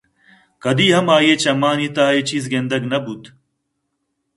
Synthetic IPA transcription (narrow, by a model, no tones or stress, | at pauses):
kɐd̪iːɦɐmaːjeːt͡ɕɐmaːnit̪aːet͡ɕiːzɡend̪ɐɡnɐbut̪